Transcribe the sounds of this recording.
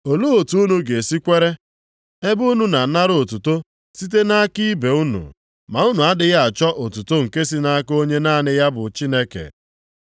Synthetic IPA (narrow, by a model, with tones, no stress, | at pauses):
o˨lo˦o˨tu˨˦u˦nu˨ɡe˨si˦kʷe˦ɾe˦ | e˦bu˦nu˨na˨˦na˦ɾo˨tu˨to˦ | si˦t̬e˦na˦ki˦be˨u˦nṵ˨ | ma˨u˦nu˨a˦dɪ˦ɣa˦a˨t͡ʃɔ˦ʔo˨tu˨to˦ŋ̩˨ke˦si˦na˦ko˦ɲe˦naː˦˨nɪ˦ja˦bʊ˨t͡ʃi˦ne˦kḛ˨